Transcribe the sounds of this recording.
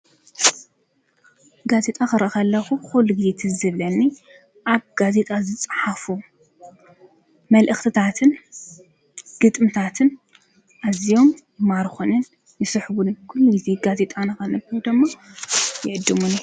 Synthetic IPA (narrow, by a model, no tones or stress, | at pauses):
ɡaze̞t̪ʼakɨɾʔaxɐlːɐxuxulːuɡizet̪ʰɨzɨβlɐnːi | ʔaβɡ̥aze̞t̪ʼazɨt͡sʼɨħafu | mɐlʔɨxt̪ʰɨt̪ʰat̪ʰɨn | ɡ̥ɨt̪ʼmɨt̪ʰat̪ʰɨn | ʔazijo̞mjɪmaɾxonɨn | jɪsɨħβunkʰulːuɡizeɡaze̞t̪ʼanɐxɐnɨbiud̪ɨmːa | jɪʕɨd̪ːɨmun